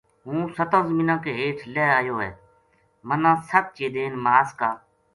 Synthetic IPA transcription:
ɦũːsət̪ãːzəmiːnãːkeːɦeːʈʰlɛːaːjoːɦɛː | mənãːsət̪̚t͡ʃeːd̪eːnmaːskaː

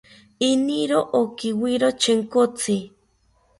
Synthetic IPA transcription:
iniɾoʔokiwiɾot͡ʃʰeŋkot͡sʰi

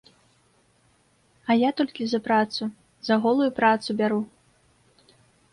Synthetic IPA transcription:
ɐjat̪ɔlʲkʲizɐpɾat̪su | zɐɣɔlˠujupɾat̪subʲaɾu

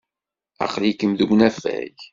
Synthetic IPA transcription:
æ̰qlikəmðumnæfæ̰ʝ

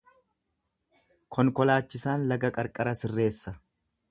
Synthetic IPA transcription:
kʰɔŋkɔlaːt͡ʃːɪsaːnlɐɡɐkʼɐɾkʼɐɾɐsɪrːe̞ːsːɐ

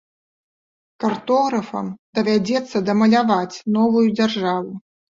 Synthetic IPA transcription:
kart̪ɔɣɾɐfɐ̰md̪ɐvʲad͡zʲɛt̪sːɐd̪ɐmɐlʲavat͡sʲnɔvujud͡zʲarʐavu

